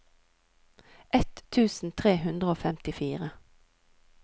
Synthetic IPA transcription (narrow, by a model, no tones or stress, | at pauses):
ʔɛt̪ʰːʉːsn̩t̪ʰʁeːhʉnd̪ʁəoːfɛmt̪ɪfiːʁə